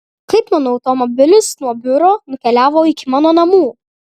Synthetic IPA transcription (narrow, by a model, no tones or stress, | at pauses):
kɐɪpmɑːnoːɐʊt̪ɔmɔbʲɪlʲʊsnuɔbʲʊɾoːnʊkʲɛlʲæːʋoːɪkʲɪmɑːnoːnɐmuː